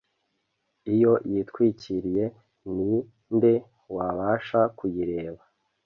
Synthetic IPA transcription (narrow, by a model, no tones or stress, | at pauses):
ijo̞jitkwiːciɾije̞ | ni | nde̞ | waβaːʃakujiɾe̞ːβa